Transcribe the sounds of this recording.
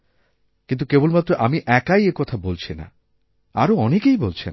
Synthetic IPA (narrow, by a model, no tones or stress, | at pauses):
kint̪̬ukebolmat̪ːɾoʔamiʔɛkajekɔt̪ʰabolt͡ɕʰina̰ | a̰ɾoɔnekejbolt͡ɕʰen